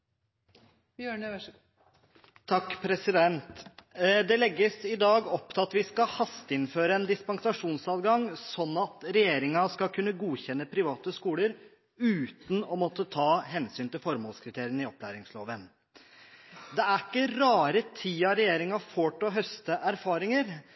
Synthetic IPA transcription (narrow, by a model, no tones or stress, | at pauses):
t̪ʰɑkːpʰɾɛsɪd̪ɛnt̪d̪ɛlɛɡːəsɪd̪ɑːɡɔpt̪ʰɪlɑt̪ʋɪskɑhɑst̪əɪnføːɾəɛnd̪ɪspɑŋsɑʂuːnsɑːt̪ɡɑŋsɔnːɑt̪ɾɛjeːɾɪŋɑskɑkʰʉnːəɡuːçɛnːəpʰɾɪʋɑːt̪əskuːləɾ | ʉːt̪n̩ɔmɔt̪ːət̪ʰɑːɦɛnsyːnt̪ɪlfɔɾmoːlskʰɾɪt̪ʰeːɾɪənɪɔplæːɾɪŋsloːʋən | d̪ɛæɾɪkːəɾɑːɾət̪ʰiːɑɾɛjeːɾɪŋɑfoːʈɔɦœst̪əʔæɾfɑːɾɪŋəɾ